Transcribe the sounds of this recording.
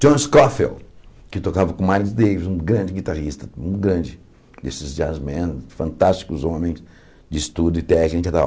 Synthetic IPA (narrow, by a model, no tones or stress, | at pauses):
d͡ʒõnskɔfḛlkɪt̪okavɐkõmaɾzd̪ejvizũɡɾɐ̃nd͡ʒɪɡit̪aʁist̪ɐũɡɾɐ̃d͡ʒɪ | d̪esɪzd͡ʒɪazmẽnfɐ̃nt̪ast͡ʃi̥kʊzõmẽj̃s | d͡ʒɪst̪ud̪ʊɪt̪ɛ̃ɐʒẽnt͡ʃad̪a̰